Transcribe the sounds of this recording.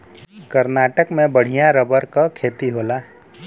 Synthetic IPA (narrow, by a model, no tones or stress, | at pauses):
kəɾnaːʈəkmẽbəɽ̤ijaɾəbəɾkakʰeːt̪iɦoːlaː